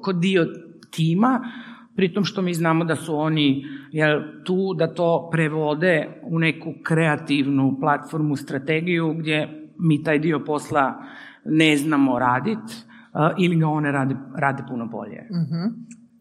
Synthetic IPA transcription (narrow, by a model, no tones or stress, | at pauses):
kod̪io | t̪iːma | pɾit̪omʃt̪o̞miːznaːmod̪asuonijelt̪uːd̪at̪o̞ːpɾeʋo̞d̪eune̞kukɾeat̪iʋnuplat̪fo̞ɾmust̪ɾat̪eɡijuɡd̪je̞miːt̪aːjd̪io̞po̞slˠa | neznamo̞ɾaːd̪it̪ | ʔiliɡao̞neɾaːd̪eɾaːd̪epunobo̞̰ʎḛɦ